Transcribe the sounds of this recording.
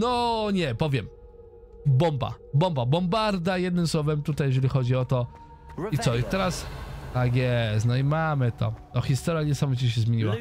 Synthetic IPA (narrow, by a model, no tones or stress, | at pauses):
nɔɲɛpɔvʲjɛm | bɔmba̰bɔmbabɔmbaɾd̪ajɛd̪nɘmswɔvɛmt̪ut̪ajːɛʐɛlʲixɔd͡ʑiɔt̪ɔ | it̪sɔit̪ɛɾasaɡʲɛznajimamɘt̪ɔ̰ɔxʲist̪ɔɾʲjaɲɛsamɔvʲit͡ɕiɕ̬ɛzmʲjeɲiwa